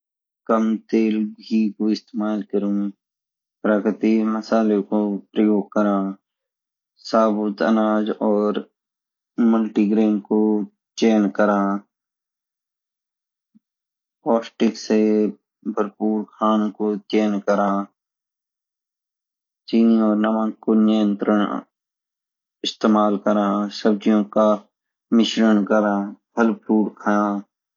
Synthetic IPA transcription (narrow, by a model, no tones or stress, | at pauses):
kəmt̪eːlbʱiːkoɪst̪eːmaːlkəɾũ | pɾəkɾɪt̪iməsaːlekopɾəjoːɡ̚kːəɾãː | saːbʊt̪ə̰naːd͡ʒɔːɾ | məlʈiɡɾeːnko | t͡ʃeːnkəɾãː | pɔːsʈɪkse | bʱəlpuːɾkʰaːnkot͡ʃeːnkəɾãː | t͡ʃiːniɔːɾnəmãːkkonɪjə̃nt̪ɾəɳ | ɪst̪eːmaːlkəɾãːsəb̚d͡ʒijõka | mɪʃɾənkəɾãːb̥ʱəlpuːɾkʰaã